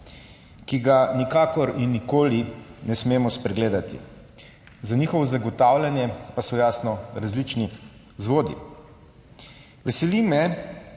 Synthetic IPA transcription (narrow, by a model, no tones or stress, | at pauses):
kiɡanikaːkɔɾinːikoːlinɛsmeːmɔspɾɛɡleːd̪at̪ḭ | zaniːxɔʋɔzaɡɔt̪aːwlʲanjɛpasɔjaːsnɔɾazlit͡ʃni | zʋoːd̪ḭ | ʋɛsɛlimɛ